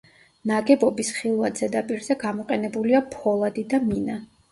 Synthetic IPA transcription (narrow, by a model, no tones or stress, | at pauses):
naɡɛbɔbisχilˠvad̪zɛd̪apʼiɾzɛɡamɔqʼɛnɛbuliapʰɔlˠad̪id̪amina